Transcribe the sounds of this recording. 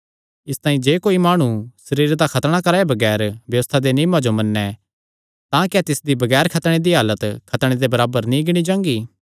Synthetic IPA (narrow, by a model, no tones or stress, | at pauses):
ɪst̪ãːĩd͡ʒeːkoːimaːɽ̃usɐɾiːɾd̪akʰɐt̪ɽ̃akɐɾaːebɐɡɛːɾbjɐʋəst̪ʰad̪eniːmad͡ʒomɐnːɛ | t̪ãkɛt̪ɪsd̪ibɐɡɛːɾkʰɐt̪ɽ̃ed̪iɦaːlət̪kʰɐt̪ɽ̃ed̪ebɐɾaːbəɾnĩɡɪɽ̃id͡ʒãːŋɡiː